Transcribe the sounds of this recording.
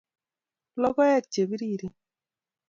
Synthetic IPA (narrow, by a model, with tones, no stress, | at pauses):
lɔ˦ɡɔ˦ja˦˨t͡ʃːe˨bi˦ɾi˦˨ɾi˦